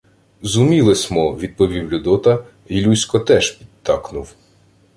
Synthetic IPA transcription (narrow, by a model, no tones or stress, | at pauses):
zumʲilˠesʲmɔʋʲid̪̚pɔʋʲiwlʲʊd̪ɔt̪ɐ | ilʲusʲkɔt̪ɛʃpʲi̥d̪t̪ːɑknʊw